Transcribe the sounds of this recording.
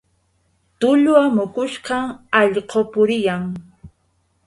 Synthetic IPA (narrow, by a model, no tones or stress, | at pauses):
t̪ʊʎwamʊkʊʃqɑŋɑʎqopʊɾɪjaŋ